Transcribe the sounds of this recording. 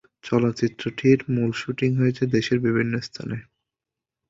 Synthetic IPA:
t͡ɕɔlot̪ːt͡ɕit̪ːɾoʈʰiɾmulʃuʈiŋɦoet͡ɕʰed̪eʃeɾbibʱinːost̪ʰa̰ne

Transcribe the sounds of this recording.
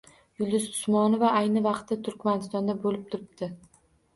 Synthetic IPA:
jʊlˠd̪ɪzd̪ʊ̥smɒnɪvaʔajnɪvɑqt̪ːat̪ʰʊɾkʲmanɪst̪ɒnd̪abolɪp̚t̪ʰʊɾɪp̚d̪̥ɪ

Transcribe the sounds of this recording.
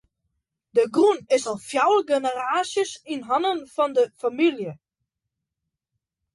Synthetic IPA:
dəɡrunɪsɔlˠfjawlɡenəraːsjəsinɦɔnənfɔndəfamiljə

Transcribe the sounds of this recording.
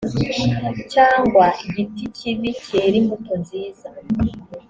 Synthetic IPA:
caːŋɡwaɟiticiβiceːɾimutonziːza

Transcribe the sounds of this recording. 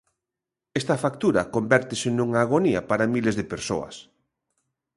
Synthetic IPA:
est̪ɐfak̚t̪uɾɐkombɛɾt̪ɪsɪnuŋaːɣ̞oniɐpaɾamilezðepeɾso̰ɐ̰s

